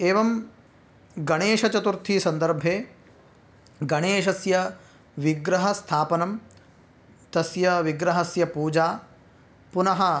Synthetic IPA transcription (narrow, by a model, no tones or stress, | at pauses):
eːʋɐm | ɡɐɳeːʃɐt͡ʃɐt̪uɾt̪ʰiːsɐnd̪ɐɾbʱeː | ɡɐɳeːʃ̬ɐsjɐ | ʋiɡɾɐɦɐst̪ʰaːpɐnɐm | t̪ɐsjɐʋiɡɾɐɦɐsjɐpuːd͡ʒaː | punɐɦɐ